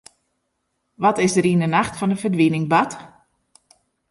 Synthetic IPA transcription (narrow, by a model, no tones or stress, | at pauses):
ʋɔtɪsdəɾindənaxtfɔndəfərdʋinɪŋbat